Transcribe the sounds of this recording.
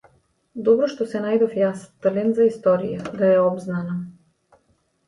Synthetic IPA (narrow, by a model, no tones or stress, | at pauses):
d̪ɔbɾɔʃt̪ɔsɛnajd̪ɔfjast̪lɛnzaist̪ɔɾijad̪aɛɔbznana